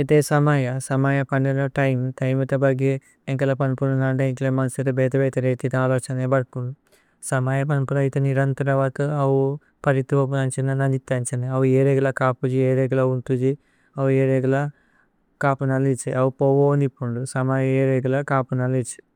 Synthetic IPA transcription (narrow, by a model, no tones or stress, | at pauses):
it̪eːsɐmaːjɐsɐmaːjɐpɐɳɖɐlɐʈɐjmʈɐjmit̪ɐbɐɡe | iŋkɐlɐpɐnpununɐɳɖeiŋklemɐnsiɾɐbɛːt̪ɐbɛːt̪ɐɾeːt̪it̪aːloːt͡ʃɐnebɐɽpunu | sɐmaːjɐpɐnpunɐjit̪eniɾɐnt̪ɐɾɐʋaːt̪ɐɐʋu | pɐɾit̪ʋɐpunɐɲt͡ʃinɐnɐnd̪it̪ːɐɲt͡ʃɐnɐɐʋueːɾeɡulɐkaːpud͡ʒieːɾeːɡulɐunt̪ud͡ʒi | ɐwueːɾeːɡulɐ | kaːpunɐlit͡ʃiɐʋupowoːnd̪ipːuɳɖusɐmaːjɐeːɾeːɡulɐkaːpunɐlit͡ʃi̥